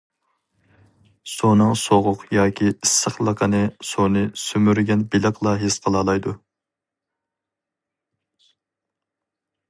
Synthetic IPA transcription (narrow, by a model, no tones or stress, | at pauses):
sonɨŋsoʁʊqjɑːkʲʰiisːəχlˠəqʰənɨsonɨsymyɾɡʲɛnbɪləqʰlˠɑɦesqʰəlˠɑːlˠɑjd̪u